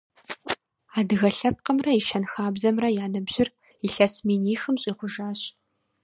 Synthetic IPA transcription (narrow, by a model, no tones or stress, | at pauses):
aːdɨɣɐɬɐp̚qəmrɐiʃɐnxaːbzɐmrɐjaːnɨbʑɪr | iɬɐsmiːniːxɨmɕʼiːʁʷʊʒaːɕ